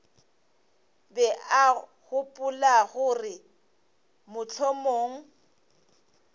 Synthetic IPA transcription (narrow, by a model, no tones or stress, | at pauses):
bɛaɣʊpʼʊlaɣʊrɪ | mʊt͡ɬʰomoːŋ̩